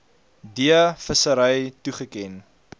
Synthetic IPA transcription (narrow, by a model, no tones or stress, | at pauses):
diəfəsəɾəjtuχəkɛn